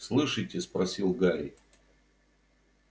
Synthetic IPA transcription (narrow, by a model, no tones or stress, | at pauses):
slˠɨʂɨjtʲɪspɾɐsʲilˠɡaɾʲɪ